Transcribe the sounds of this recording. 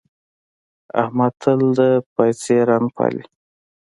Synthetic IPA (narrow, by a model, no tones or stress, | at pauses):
a̰hmat̪ʰəld̪əpajseɾaŋɡpʰa̰lḭ